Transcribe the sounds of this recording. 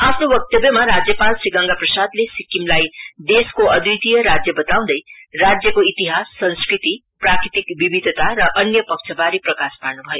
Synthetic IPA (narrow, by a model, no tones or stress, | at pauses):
apʰnowʌk̚t̪ʌbjʌmaɾad͡zjʌpalsiɡʌŋɡaprʌsad̪lesikːimlajd̪eskoʌd̪ut̪ijʌɾad͡zjʌbʌt̪aw̃d̪ʌjrad͡zjʌkoit̪iɦasːʌnskrit̪i | prakɾit̪ikbibid̪ʱʌt̪aɾʌʔʌnjʌpʌk̚t͡sʰʌbaɾiprʌkasparnubʱʌjo